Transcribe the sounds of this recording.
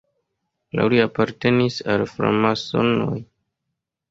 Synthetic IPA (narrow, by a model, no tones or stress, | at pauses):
la̰liapaɾte̞nisalfɾa̰maso̰no̰j